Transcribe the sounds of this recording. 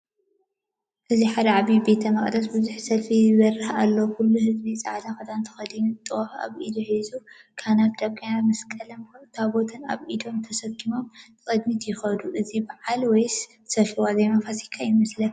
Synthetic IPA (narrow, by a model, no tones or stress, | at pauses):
ʔɨziħad̪ɐʕaβibe̞t̪ʰɐmɐχʼd̪ɐsbɨzuħsɐlfizɐrɨhalːɐwkʰulːuhɨzbit͡sʼaʕd̪axɐd̪ant̪ʰɐ̥xɐd̪ɨɲut̪ʼːɨwaxa̰βʔid̪oħizu | kʰanatd̪ɐβɡanamɐskʼɐlɐmt̪ʰabo̞t̪ʰɐna̰βʔid̪o̞mt̪ʰɐsɐɡimo̞mt͡sʼɐd̪mit̪ʰjɪxɐd̪uʔɨzibaʕalwɔj | sɐfɨwazɐjmafasikʰːajɪmɐslɐ